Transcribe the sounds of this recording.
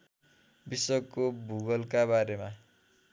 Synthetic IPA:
biswʌkːobʱuɡʌlkabaɾema

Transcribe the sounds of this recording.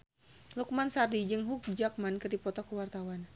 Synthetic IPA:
luk̚mansardid͡ʒɨŋɦuk̚d͡ʒak̚mankɨrdipɔt̪ɔkuwart̪awan

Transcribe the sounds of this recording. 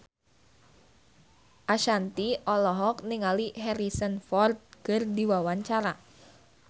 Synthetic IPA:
ʔaʃant̪iɔlɔɦɔk̚niŋaliɦɛɾisənfɔrt̪̚kərdiwawaɲt͡ʃaɾa

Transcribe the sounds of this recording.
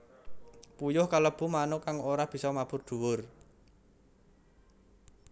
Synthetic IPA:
pujʊhkaləb̥ṳmanokaŋoɾab̥i̤sɔmab̥ʊrd̪̥ṳwʊr

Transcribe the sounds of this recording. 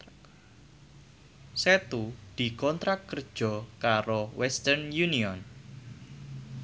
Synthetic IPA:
sɛt̪ud̪̥i̤kɔnt̪ɾakːərd̥ʒ̥ɔ̤kaɾowɛst̪ərnjuniɔn

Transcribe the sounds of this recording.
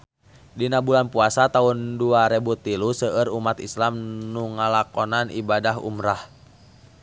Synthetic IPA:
dinabulanpuasat̪aunduaɾɛbut̪ilusəʔəɾumat̪islamnuŋalakɔnanʔḭbadaɦṵmɾah

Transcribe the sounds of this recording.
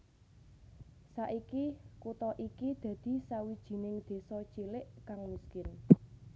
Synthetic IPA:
saʔikikut̪ɔʔikid̪̥ä̤d̪̥i̤sawid̥ʒ̥i̤nɪŋd̪̥e̤sɔ̥t͡ʃilɪʔkaŋmiskɪn

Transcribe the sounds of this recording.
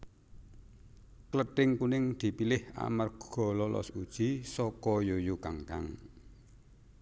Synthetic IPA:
kləʈɪŋkunɪŋd̪̥i̤pilɪha̰mərɡ̥ɔ̤lɔlɔ̰sud̥ʒ̥i̤sɔkɔjojukaŋka̰ŋ

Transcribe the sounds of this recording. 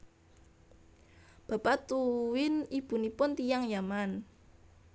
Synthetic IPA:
b̥ä̤pat̪uwɪnib̥ṳnipʊnt̪ijaŋjaman

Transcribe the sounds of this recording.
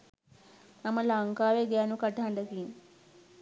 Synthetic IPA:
naməlaŋkaːʋeɡaːnukaʈəɦaɳɖəkiŋ

